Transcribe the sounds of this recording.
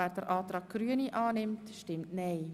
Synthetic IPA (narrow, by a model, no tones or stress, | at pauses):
æːrdəɾʔɑːtrɑːk̚ɡ̥ryəniʔɑːnɪmtʃtɪmtneɪ